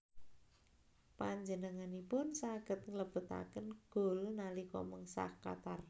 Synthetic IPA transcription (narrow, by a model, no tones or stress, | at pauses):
paɲd͡ʒənəŋanipʊnsaɡ̥ə̤t̪̚ŋləb̥ṳt̪a̰kənɡ̥o̤lnalikɔ̰məŋsa̰ka̰t̪ar